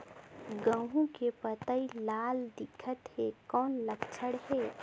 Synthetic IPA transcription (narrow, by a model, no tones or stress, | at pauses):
ɡə̃ɦũkepət̪əilaːld̪ɪkʰət̪hekɔːnləkʰt͡ʃʰəɽɦe